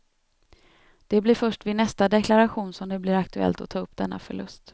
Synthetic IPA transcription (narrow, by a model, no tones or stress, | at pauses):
d̪̥ɛblɪɾfœʂʈvɪnɛst̪ad̪ɛkʰlaɾaɧuːnsɔmd̪ɛblɪɾakt̪ɵɛ̰lt̪ɔt̪ʰɑːɵpːd̪̥ɛnːa̰fœ̰ɭɵ̰st̪